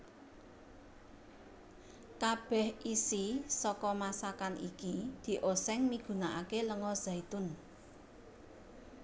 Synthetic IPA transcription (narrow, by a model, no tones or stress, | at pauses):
kab̥ɛ̤hisisɔkɔmasakanḭkid̪̥i̤ʔosɛŋmiɡ̥ṳnaʔakeləŋɔz̥ait̪ʊn